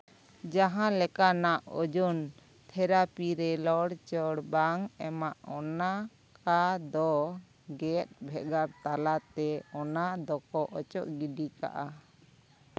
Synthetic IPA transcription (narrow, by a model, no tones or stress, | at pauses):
d͡ʒaɦãlɛkanaʔɔd͡ʒɔn | t̪ʰɛɾapiɾɛlɔɽt͡ʃɔɽbaŋɛmaʔɔna | kad̪ɔ | ɡɛt̪̚bʱɛʔɡaɾt̪alat̪ɛɔnad̪ɔkɔʔɔt͡ʃɔʔɡiɖika̰ʔa